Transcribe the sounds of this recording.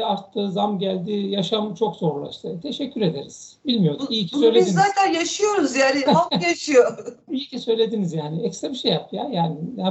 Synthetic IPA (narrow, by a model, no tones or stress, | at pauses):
aɾt̪ʰːɯːzamɟælʲd̪ijaʃamt͡ʃʰo̞kz̥o̞ɾulˠa̰ʃt̪ʰaɯt̪ʰe̞ʃɛcʰːyɾe̞d̪e̞ɾiz̥bilʲmijo̞d̪ijicʰi̥søjlʲeizaːt̪ʰænjaʃɯjo̞ɾuzjaːnɪajaʃɯjoijicʰisø̞jlʲe̞d̪inizjaːnɪɛcsebiʃejapjaːjaːnɪa